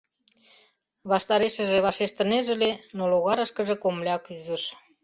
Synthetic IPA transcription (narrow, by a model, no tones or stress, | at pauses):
βɑʃt̪ɑɾeʃə̆ʒeβɑʃeʃt̪ə̆neʒĕlenoloɣɑɾəʃkə̆ʒĕkomlʲeɑkyzə̆ʃ